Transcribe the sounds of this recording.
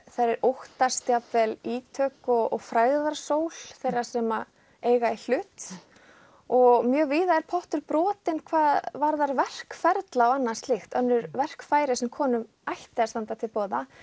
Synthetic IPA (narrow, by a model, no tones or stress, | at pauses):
θaɾɛɾowht̪ast̪japvɛliːt̪ʰœːkɔɣɔɣfɾaːɣðaɾ̥soːwl̥θejrːḁsɛma | eːjɣaɛɾl̥ʏt̪ | ɔɣmjœːɣvɪːðaɛɾpʰɔht̪ʏɾpɾɔːt̪ɪnkʰvaːðvaɾðaɾvɛr̥kfɛɾt̪lawanːḁst̪lɪxt̪œnːʏɾvɛr̥kfaːjɾɪsɛmkʰɔːnʏm | ajht̪ɪast̪ant̪at̪ʰɪlpɔːða